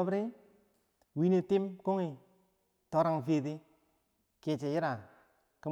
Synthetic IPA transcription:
bɾi˦ | wi˦ne˨ti˦mko˦ŋi˨ | to˨˦ɾa˦˨ŋfe˨di˦ | ke˨t͡ʃe˨ji˦ɾa˨ | kə˦

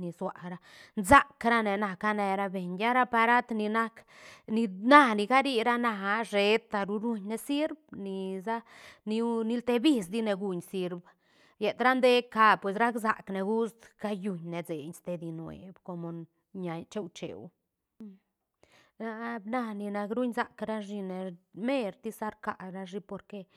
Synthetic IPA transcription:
ni˨swa̰˨ɾa˦˧ | nza˦kɾa˦ne˨na˧ka˦ne˧ɾa˧be˨ɲja˦ɾa˦pa˧ɾa˦t̪ni˧na˦kni˧na˦ni˧ɡa˦ɾi˦ɾa˦na˧ɦa˧ʐe˧t̪ːa˧ɾu˧ɾu˧ɲne˧si˦ɾb̚ni˧za˦ni˧ni˦lt̪e˧bi˦˧s̬d̪i˦ne˧ɡu˧ɲsi˧ɾb | je˨t̪ɾa˦nd̪e˦ka˧pwe˨s̬ɾa˦kza̰˨kne˨ɡu˦sd̪ka˦ju˧ɲne˨d͡ze˨ɲst̪e˧d̪i˧nwḛ˨bko˧mo˨ | ɲa˨t͡ʃe˦wt͡ʃḛ˨w | ɾa˦bna˦˧ni˧na˧kɾu˦ɲza˨˧kɾa˦ʐi˧ne˨me˦˧ɾt̪i˦sa˦ɾka˨ɾa˧ʐi˧po˧ɾke˧

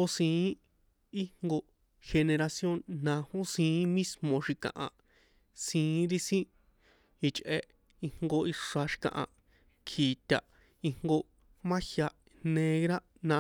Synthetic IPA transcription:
o˧sĩː˧˨˦ | i˦ŋŋɡo˧ | xe˧ne˧ɾa˧sjo˦nːã˧hõ˦sĩː˧˦mĩ˦smõ˨ʃi˧kã̰˨ʔã˨ | sĩː˧˦ɾi˦sĩ˦ | i˧t͡ʃʔe˧ | i˧ŋŋɡo˧i˧ʂa˧ʃi̥˧kã̰˨ʔã̰˧ | kʰiː˨t̪ʲa˨ | i˧ŋŋɡo˧ | mã˦hja˧ | nẽ˧ɣɾa˦ | nã˧

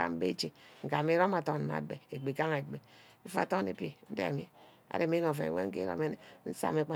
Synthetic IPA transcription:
a̰˦m˦bḛ˦t͡ʃi˨ŋ̩˨ka˨mi˦ɾo˦ma˨to˦˨n˨a̰˨be˨e˨ɡ͡be˨ka˦ŋe˨ɡ͡be˨˦ | fa̰˨to˦nḛ˨pi˦n̩˦dḛ˦a̰˨mi˦ | a̰˨ɾe˨mi˦no˨fḛ˨wḛ˦ŋ̩˦kḛ˦ɾo̰˦me˦ne˨n̩˦sa̰˦˨me˨k͡pa˦

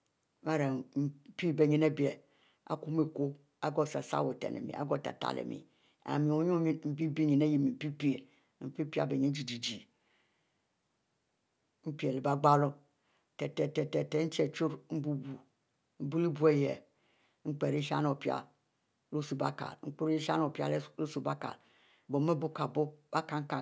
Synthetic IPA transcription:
ma˦ɾe˨m̩˨˦pi˦be˨ɲi˨ne˦bi˨e˨ | a̰˨ku˦mi˦ko˦ | a˦ɡo˦˨sa˨sa̰˦˨wo˨tḛ˨nḛ˨mḭ˨a̰˦ɡo˦˨ta̰˨ta̰˨lḛ˨mḭ˨ | a̰˨mi˨o˨ɲu˦m̩˨˦bi˦bi˦ɲi˨ne˦ji˦mi˨pi˦pi˦e˨ | m̩˨pi˦pi˦a̰˦be˨ɲi˦d͡ʒi˨d͡ʒi˨d͡ʒi˨ | m̩˦pi˦e˨le˨ba˦ɡ͡ba˦lo˦ | tɛ˨tɛ˨te˨te˨te˨˦n̩˦t͡ʃe˨t͡ʃu˦ɾm̩˦bu˦bu˨ | m̩˦bu˦li˦bu˦e˦jḛ˨ | ŋ͡m̩˦k͡pe˨ɾi˦ʃa̰˦no˨pi˦a̰˨ | lo˦su˨ba̰˦ka̰˨lŋ͡m̩˦k͡pu˦ɾi˦ʃa̰˦n˦o˨pi˦a̰˦lo˦su˨ba˦ka̰˨l | bo˨me˦bu˦ka˨bo˦b̥a˦ka˨ŋ̩˦ka˨

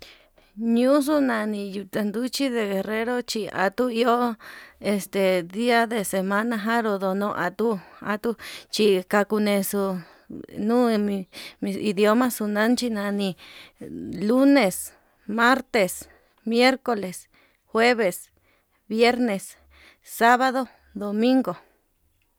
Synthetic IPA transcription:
ɲũ˦s̬u˦nã˧nĩ˧ju˧t̪a˧nd̪u˦t͡ʃi˦ðe˧ɣe˨re˦ɾo˦t͡ʃi˧a̰˨t̪u˦i˦o˦e˧st̪e˨d̪i˦a˦ðe˨se˧mã˦nã˧ɦã˦ɾo˧˨ðo˧nõ˧ʔa˧t̪u˦a̰˧t̪u˦t͡ʃi˧ka˧ku˧nẽ˧su˧ | nũː˦˧mĩ˧i˧ðjo˦mã˦su˧nã˦nt͡ʃi˧nã˧nĩ˧ | lu˦nẽ˨s | mã˦ɾt̪e˨s | mje˦ɾko˧le˨s | xwe˦βe˨s | βje˦ɾnẽ˨s | sa˦βa˧ðo˧ | d̪o˨mĩ˦ŋɡo˨

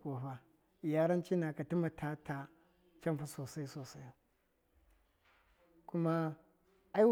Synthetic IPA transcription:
ko˨ɸa˦˨ | ja˦ɾa˦nt͡ʃi˦na˨ka˨ti˦ma˨tʰa˦tʰa˨ | t͡ʃa˦mfa˦so˨sa˦jso˨sa˦ja˨ | ku˦ma˦ | a˦i˦

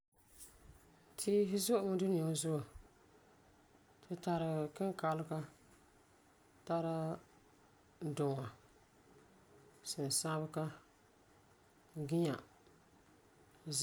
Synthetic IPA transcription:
tʰiː˦ɦɪ˦zʊ˦ʔʊ˦mɨ˦du˦nɪ˨ja˨˦zʊ˦ʔo˨ | tʰɨ˦ta˨ɾɨ˨kɪ˦ŋ˦ka˦lʊ˦ka˦ | ta˦ɾa˦ | dʊ˨ŋa˨ | sɪ˨n˨sa˦bɨ˦ka˦ | ɡɪ˦ɲa̰˨

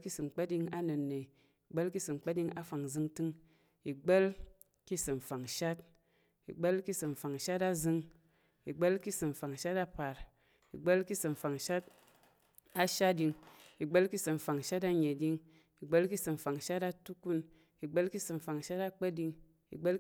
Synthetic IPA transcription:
ki˦sɨ˨ŋ͡mk͡pə˦di˧ŋa˦nɨ˨nːe˨ | i˨ɡ͡bə˦lki˦sɨ˨ŋ͡m̩˨k͡pə˦di˧ŋa˦fa˨ŋzɨ˧ŋtɨ˦ŋ | i˨ɡ͡be˦l | ki˦sɨ˨m̩˨fa˨ŋ˨ʃa˦t | ḭ˨ɡ͡bə˦lki˦sɨ˨m̩˨fa˨ŋ˨ʃa˦ta˦zɨ˧ŋ | i˨ɡ͡bə˦lki˦sɨ˨m̩˨fa˨ŋ˨ʃa˦ta˧pa˨ɾ | ḭ˨ɡ͡bə˦lki˦sɨ˨m̩˨fa˨ŋ˨ʃa˦t̚ | a˦ʃa˦di˧ŋi˨ɡ͡bə˦lki˦sɨ˨m̩˨fa˨ŋ˨ʃa˦ta˧ɲe˨di˧ŋ | i˨ɡ͡bə˦lki˦sɨ˨m̩˨fa˨ŋ˨ʃa˦ta˧tu˦ku˦n | i˨ɡ͡bə˦lki˦sɨ˨m̩˨fa˨ŋ˨ʃa˦ta˦k͡pə˦di˧ŋ | ḭ˨ɡ͡bə˦l

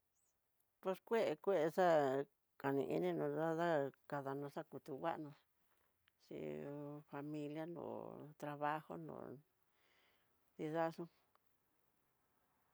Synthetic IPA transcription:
pe˧skʷe˦ʔe˨kʷe˦ʔe˧ʂa˦ | ka˨nḭ̃˧ʔḭ˦nĩ˦nũ˧˨ða˦ða˦ka˧ða˧nõ˧ʂa˦ku˧t̪u˧wa̰˦ʔnõ˧ | ʂḭ˧fa˧mĩ˧lja˦nõ̰˨t̪ɾa˧βa˦ho̰˦nõ̰˧˨ | ði˧ða˦ʂũ˦

